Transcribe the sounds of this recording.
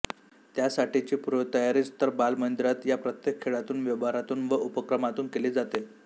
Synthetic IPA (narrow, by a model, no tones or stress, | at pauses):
t̪jasaʈit͡ɕiːpuɾʋət̪əjaɾiːt͡st̪əɾbalmənd̪iɾat̪japɾət̪jekʰːeɭat̪uːnʋjəʋaɾat̪uːnʋəʔupəkɾəmat̪uːnkeliːd͡zat̪e